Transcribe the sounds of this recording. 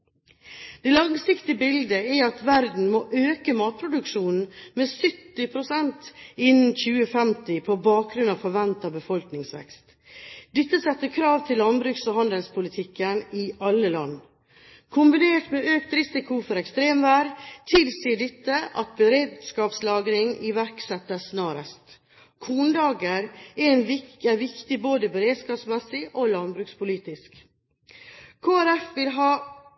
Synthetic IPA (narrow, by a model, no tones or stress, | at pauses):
d̪̥ɛːlɑŋsɪkt̪ɪəbɪld̪əɪɑt̪ʋæɾd̪n̩moʔøːkəmɑːt̪̚pʰɾʊd̪ʉkʂuːnn̩meːsʏt̪ːɪpʰɾʊsɛnt̪ɪnn̩çʉːəfɛmt̪ɪpʰɔbɑːk̚ɡɾʉnɑʋfɔɾʋɛnt̪ɑbəfɔlknɪŋsʋɛ̰kst̪ | d̪ɛt̪ːəsɛt̪ːəkʰɾɑːʋt̪ʰɪllːɑnbɾʉːksohɑnd̪əlspʰʊlɪt̪ʰɪkːənɪʔɑlːəlɑ̰nː | kʰʊmbɪneːʈmeʔøːk̚t̪ɾɪsɪkʰʊfɔɾɛkst̪ɾeːmʋæːɖt̪ʰɪlsiːəɖɛt̪ːəʔɑt̪̚bəɾeːd̪skɑːpslɑːɡɾɪŋɪʋæɾksɛt̪ːəsnɑːɾəst̪ | kʰuːnd̪ɑːɡəɾæɾɛnʋɪæɾʋɪkt̪ɪboːd̪əbəɾeːd̪skɑːpsmɛsɪʔolɑnbɾʉːkspʰʊliːt̪ɪsk | kʰoːæɾɛfʋɪlɦɑː